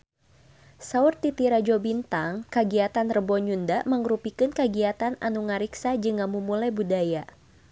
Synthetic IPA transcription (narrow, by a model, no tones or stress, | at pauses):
saurt̪it̪iɾad͡ʒobint̪aŋkəɡiat̪anrəbɔɲundaʔməŋɾupikɨnkəɡiat̪ana̰nuŋaɾiksad͡ʒɨŋamumulajbudaja